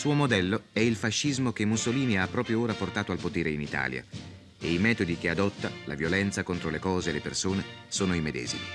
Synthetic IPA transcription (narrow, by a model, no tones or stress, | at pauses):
suːomod̪ɛlːoɛilfaʃːizmok̟emːusoliːniapːɾɔːpɾjooːɾaport̪aːt̪oalpot̪eːɾeinit̪a̰ːlja̰ | eimɛːt̪od̪ik̟ead̪ɔt̪ːala̰vjolɛnt̪sakont̪ɾolekɔːzeːlepersoːnesoːnoimed̪ɛ̰ːzḭmi